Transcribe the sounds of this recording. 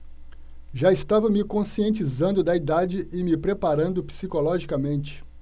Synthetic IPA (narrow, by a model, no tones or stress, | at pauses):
ʒaɪst̪avɐmɪkõsiẽnt͡ʃizɐ̃nd̪ʊd̪ɐid̪ad͡ʒɪʔɪmɪpɾepaɾɐ̃nd̪ʊpi̥sikolɔʒikɐmẽnt͡ʃɪ̥